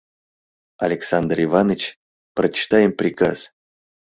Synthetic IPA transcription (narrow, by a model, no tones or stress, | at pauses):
ɐlʲɪksand̪rɪvanɨt͡ɕ | prət͡ɕɪ̥t̪ajɪmpɾʲɪka̰s